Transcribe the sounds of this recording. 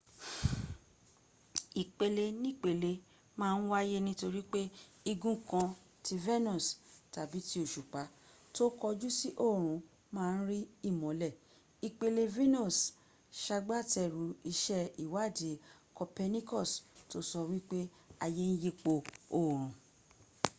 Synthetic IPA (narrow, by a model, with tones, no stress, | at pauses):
i˨k͡pe˧le˧nĩ˦˨k͡pe˨le˧ | mãː˦˧n̩˦wa˦je˦nĩ˦to˧ɾi˦k͡pe˦ | i˧ɡũ˦kã˧ | ti˧vɛ˦nɔ̃˦˨sta˨bi˨˦ti˦o˦˨ʃu˨k͡pa˨˦ | to˦kɔ˧d͡ʒu˦si˦ʔo˦˨ɾ̃ũ˨˦ | mãː˦˧n̩˦ɾi˦i˦˨mɔ̃˨˦lɛ˦˨ | i˨k͡pe˧le˧vi˦nɔ̃˦˨s | ʃa˧ɡ͡ba˦˨tɛ˧˨ɾu˨˦i˧ʃɛ˦i˨wa˨˦˨de˨˦ | kɔ˧pɛ˧nĩ˦kɔ˦˨sto˦sɔ˧wi˦k͡pe˦ | a˧je˦n̩˦je˦k͡po˧o˦˨ɾ̃ũ˨˦